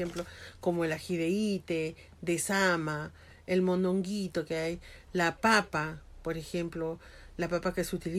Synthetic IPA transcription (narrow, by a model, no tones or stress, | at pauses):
emplokomoelaxiðeit̪e | d̪esama | elmonoŋɡit̪okeajlapapapoɾexemplo | lapapakesut̪ili